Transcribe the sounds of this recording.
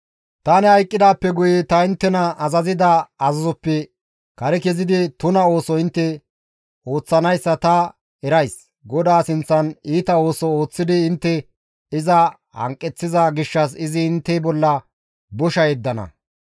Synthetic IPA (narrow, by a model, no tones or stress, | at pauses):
t̪ɐnɛhɐjkʼːɪd̪aːpːɛɡʊjɪt̪ɐɪnt̪ːɛnɐʔɐzɐzɪd̪ɐɐzɐzɔpːɛ | kɐɾɛkɛzɪd̪ɪt̪ʊnɐo̞ːsɔɪnt̪ːɛ | o̞ːt͡sːɐnɐjsːɐt̪ɐ | ɛɾɐjs | ɡɔd̪aːsɪnt͡sːɐniːt̪ɐo̞ːsɔo̞ːt͡sːɪd̪ɪːnt̪ːɛ | ɪzɐ | hɐ̰ŋkʼːɛt͡sːɪzɐɡɪʃːɐs̬ɪzɪːnt̪ːɛbɔlːɐ | bɔʃɐjɛd̪ːɐnɐ̰